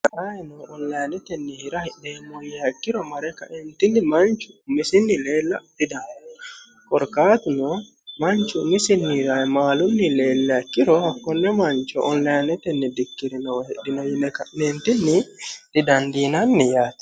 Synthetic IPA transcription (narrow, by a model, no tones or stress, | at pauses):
kɐʔajɛnɔʔɔnlɐjnɛt̪ɛnːihɪɾahd̪eːmojɛɐkːɪɾɔmɐɾɛkɐ̰ʔɛnt̪ɪnːimɐnt͡ʃʊmɪsɪnːɪleːlːɐt̪id̪an | kʼɔɾkaːt̪ʊnɔ | mɐnt͡ʃʊmɪsɪnːɾajmaːlʊnːɪleːlːɛɐkːɪɾɔhɐkːɔnːɛmɐnt͡ʃɔ̰ʔɔnlajnɛt̪ɛnːɛd̪ɪkːɪɾɪnɔwɔhɛɗːɪnɔjɪnːɛkɐʔneːnt̪ɪnːɪt̪ɪd̪ɐnd̪iːnɐnːijaːt̪